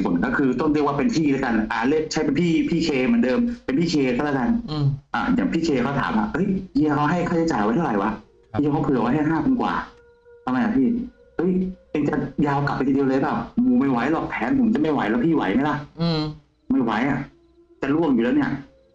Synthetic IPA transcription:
pʰo˨˩˦nkɔ˥˩kʰɯː˧t̪ɔ˥˩ŋɾi˥˩kwaː˥˩pe˧npʰiː˥˩lɯ˦˥ka˧nʔaː˨˩lɯ˧˥t͡ɕʰa˦˥jpe˧npʰiː˥˩pʰiː˥˩kʰeː˧mɯ˩˦ndɤː˧mpe˧npʰiː˥˩kʰeː˧t̪aː˧˥˩lɛː˦˥˩ka˧nʔaː˨˩jaː˨˩ŋpʰiː˥˩kʰeː˧kʰa˦˥wt̪ʰaː˩˦mʔa̰˧˩ʔɤ˦˥jɲi˧˨˧kʰa˦˥wɦa˥˩jkʰa˥˩t͡ɕʰt͡ɕaː˨˩jwa˧˦jt̪ʰa˥˩ɾa˨˩jwa˦˥˧ | ka˦˥wpʰɯː˧˩wa˦ɦa˥˩ɦaː˥˩kʰu˧nkwa̰ː˨˩ | t̪ʰa˧mɾa˧jla˨˧˩pʰiː˥˩ | ʔɤ˦˥jje˧ŋt͡ɕa˨˩jaː˧wkla˨˩p̚ʔt̪ʰiː˧di˧wlːlɯ˦˥paː˨˩wmuː˨˩ma˥˩jwa˦˥jlɔː˨˩k̚p̪ʰɛː˨˦˥npʰo˩˦mt͡ɕa˨˩ma˥˩jwa˨˦jlɛ˦˥wpʰiː˥˩wa˨˦jma˦˥˩jla˧˥˩ʔ | ma˥˩jwa˦jʔa˨˩ | t͡ɕa˨˩lu˥˩əŋjuː˨˩lɛ˦˥wni˥˩ɐʔ

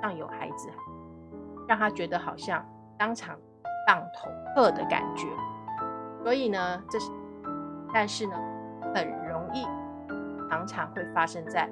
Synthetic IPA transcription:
ɑ˥˩ŋjo˨˩ʊxa̰˧˥ɪd͡zɹ̩˧ | ɻɑ˥˩ŋt̪ʰa˥t͡ɕɥɛ˧˥d̪ə˧xɑ˨˩ʊɕjɑ˥˩ŋ | t̪ɑ˥ŋʈ͡ʂʰɑ̰˧˥ŋ | t̪ɑ˥˩ŋt̪ʰʊ˧˥ŋtʰɤ˥˩d̪ə˩ka̰˨˩nt͡ɕɥɛ˧˥ | swɔ˧˥i˨˩nə˩˦ʈ͡ʂɤ˥˧ | t̪a˥˧nʂɻ̩˥˩nə˩ | xə˨˩nɻʊ˧˥ŋi˥˩ | ʈ͡ʂʰɑ˧˥ŋʈ͡ʂʰɑ˧˥ŋxwe˥˩ɪfa˥ʂɤ˥ŋt͡sa˥˩ɪ

